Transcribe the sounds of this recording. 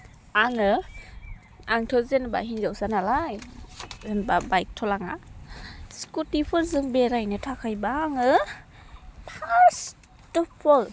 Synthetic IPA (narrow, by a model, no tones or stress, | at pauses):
aŋɯ | aŋtʰɔzenba̰ɦinzawsanalajzenbabajk̚tʰɔlaŋa̰ | skutipʰɯɾzɯŋbeɾajnɯtʰakʰajbaːŋɯ | pʰas | tɔpʰɔl